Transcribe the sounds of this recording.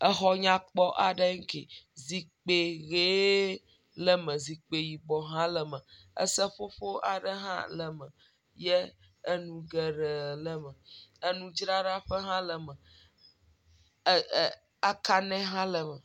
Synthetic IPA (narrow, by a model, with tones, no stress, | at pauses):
ə˦xɔ˦ɲã˦k͡pɔ˦ʔa˨ɖə˦ŋ̩˦kḭ˨zi˨k͡pe˨ɣe˦ | lə˦mə̃˨zi˨k͡pe˨ji˨ɡ͡bɔ˨ɦã˦lə˨mə̃˨ | ə̰˦sə˦ɸo˦ɸo˦ʔa̰˨ɖə˦ɦã̰˦lə˨mə˨ | jɛ˦ | ə˦nũ˨ɡɛ˨ɖə˨lə˦mə˨ə˦nũ˨d͡ʒɾa˦ɖa˦ɸə˦ɦã˦lə˨mə˨ | a˨ka˦nɛ̃˦ɦã˦lə˨mə̃˨